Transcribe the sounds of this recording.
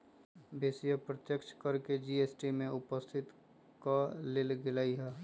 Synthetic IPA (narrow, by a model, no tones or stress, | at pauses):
bʱeːsijəpɾət̪jəkʃkəɾked͡ʒieːsʈimẽʊpəst̪ʰɪt̪ | kalelɡɪlaːiɦɛː